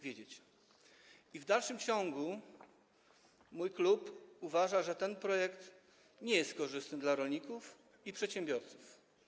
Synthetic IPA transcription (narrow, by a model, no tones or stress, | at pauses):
vʲjed͡ʑet͡ɕ | ivd̪alʂɘmt͡ɕɔŋɡu | mujklupuvaʐaʐɛt̪ɛnpɾɔjɛkt̪ | ɲɛjɛst̪̚kɔʐɘst̪nɘd̪laɾɔlɲikuf | ipʂɛt̪ɕɛmbʲjɔɾt̪su̥f